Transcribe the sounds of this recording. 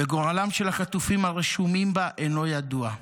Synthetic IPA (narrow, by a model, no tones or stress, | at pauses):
beɡoʁalamʃe̞laχat̪ufimaʁeʃumimbaʔeno̞jad̪ua